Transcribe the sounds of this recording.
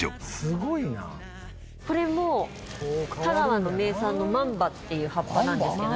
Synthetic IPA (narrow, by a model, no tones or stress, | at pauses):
osɨɡoina̰ | ko̞ɾe̞mo | t̪aɡaβano̞me̞ːsãnːo̞mãmbat̪ːe̞jɯ̟ːhapːanãnd̪esɨk